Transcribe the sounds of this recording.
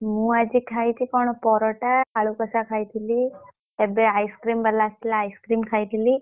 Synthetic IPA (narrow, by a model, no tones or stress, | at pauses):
mũad͡ʒikʰajt̪ʰikɔɳ̃ɔpɔɾɔʈaaɭukəsakʰajt̪ʰili | ebeajskɾiːmbəɾlast̪ʰilaːjskɾimkʰajt̪ʰili